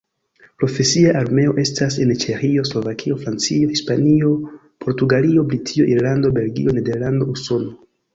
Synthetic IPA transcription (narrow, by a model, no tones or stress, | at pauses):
pɾo̞fe̞siaʔaɾme̞o̞̰ʔe̞stasent͡ʃe̞xio̞slo̞vakʰio̞fɾant͡sio̞hispanio̞ | pʰo̞ɾtuɡalio̞blitʰio̞ʔiɾlando̞be̞lɡḭo̞ne̞de̞ɾlando̞uso̞no̞